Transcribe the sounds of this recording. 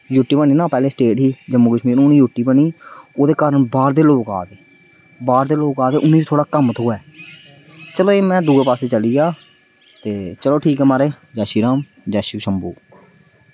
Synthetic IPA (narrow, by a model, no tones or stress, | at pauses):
juʈːiːpəɳ̃iːnãːpɛːleːsʈeːʈɦiːd͡ʒəmːuːkəʃmiːɾnːʊnĩːjuʈːiːpəɳiːoːd̪eːkaːɾəɳbaːɾd̪eːloːka̰ːd̪eː | baːɾd̪eːloːkaːd̪eːʔʊnẽːiːt̪ʰoːɽaːkəmt̪ʰoːɛː | t͡ʃəloːeːmɛ̃ːd̪uːeːpaːseːt͡ʃəliːaː | t̪eːt͡ʃəloːʈʰiːkɛːmaːɾeː | d͡ʒaːʃiːɾaːm | d͡ʒaːʃuːʃəmbṵː